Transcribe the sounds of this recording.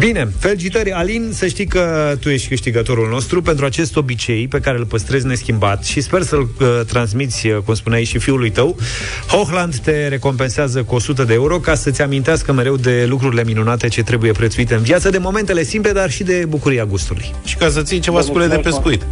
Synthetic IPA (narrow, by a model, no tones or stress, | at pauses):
bine̞fe̞lt͡ʃit̪əɾʲalinsəʃt̪ijkət̪uje̞ʃt̪ʲkɨʃt̪iɡət̪o̞ɾulno̞st̪ɾupe̞nt̪ɾuat͡ʃe̞st̪o̞bit͡ʃe̞jpe̞kaɾe̞ɨlpəst̪ɾe̞zʲne̞skʲimbat̪ʃispe̞rsəɨlət̪ɾansmit̪sʲkumspuneait͡ʃʃifiulujt̪əw | hoxland̪ːe̞ɾe̞ko̞mpe̞nseazəkuo̞sut̪̬əd̪eeuɾo̞kasət̪sʲamint̪easkəme̞ɾe̞wd̪e̞lukɾuɾile̞minunat̪et͡ʃe̞t̪ɾe̞buje̞pɾet̪suit̪e̞ɨnviat̪səd̪e̞mo̞me̞nt̪e̞le̞simple̞d̪arʃid̪e̞bukuɾiaɡust̪ulṵjʃi̥kas̬ət̪sijt͡ʃe̞vaskuled̪epe̞skuit̪